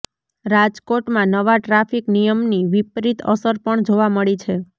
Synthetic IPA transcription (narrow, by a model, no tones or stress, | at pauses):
ɾad͡ʒkoʈmãnəʋaʈɾafiknijəmniʋipɾit̪ʰə̰səɾpəɳd͡ʒoʋaməɭit͡ʃʰe